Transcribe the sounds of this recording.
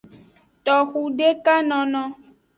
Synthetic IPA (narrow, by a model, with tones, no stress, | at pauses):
t̪ɔ˨xu˨ɖe˦ka˦nɔ̃˨˧nɔ̃˧